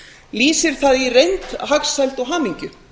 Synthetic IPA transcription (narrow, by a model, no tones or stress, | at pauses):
liːsɪɾ̥θaðirejnt̪ɦaksɛlt̪ɔwɦaːmiɲcʏ